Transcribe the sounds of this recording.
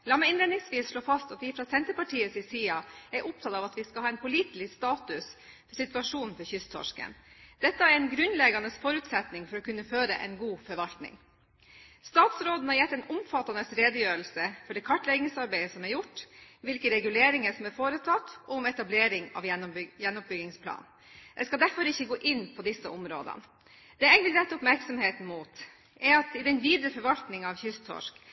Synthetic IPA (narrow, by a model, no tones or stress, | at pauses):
lɑməɪnleːd̪nɪŋsʋiːsʂɭoːfɑst̪ɑt̪ʋifɾɑsɛnt̪əɾpɑʈʰiːəsɪsiːɑæɾʔʊp̚t̪ʰɑt̪ɑːʋɑt̪ʋɪskɑhɑːɛnpʰʊliːt̪ɪlɪst̪ɑːt̪ʉs | fɔsɪt̪ʉɑʂuːn̩fɔɾçʏst̪ʰɔ̰ʂkə̰nd̪̥ɛt̪ːəæɾɛnɡɾʉnlɛɡɑnəsfɔɾʉːt̪sɛt̪nɪŋfɔɾɔːkʉnːəføːɾə̰ʔɛ̰nɡuːfɔɾʋɑlt̪nɪ̰ŋ | st̪ɑːt̪sɾoːd̪n̩hɑɾjɛt̪ːɛnʊmfɑt̪ːɑnəsɾeːd̪əjøːɾl̩səfɔɖɛːkʰɑʈːlɛɡɪŋsɑɾbæɪəsɔmæɾjʊʈːʋɪlkəɾɛɡʉleːɾɪŋəsɔmæɾfoːɾət̪ʰɑt̪ːɔmɛt̪ɑbleːɾɪŋɑ̰ʋjɛnːɔp̚bʏɡɪŋspʰlɑ̰ːn | d̪̥ɛskɑld̪æɾfɔɾɪçːəɡoːʔɪnːpʰɔd̪ɪsːəʊmɾo̰ːd̪ə̰nə | d̪̥ɛæɪʋɪlɾɛt̪ːʊpmæɾksɔmheːt̪n̩muːt̪ | ʔɛɾɑt̪ɪd̪ɛnʋiːd̪ɾəfɔɾʋɑlt̪nɪŋɑʋçʏst̪ʰɔ̰ʂk